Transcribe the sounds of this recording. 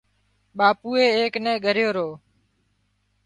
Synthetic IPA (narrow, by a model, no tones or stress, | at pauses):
ɓaːpuːeːeːknɛ̃ːɡʱəɾjoːɾoː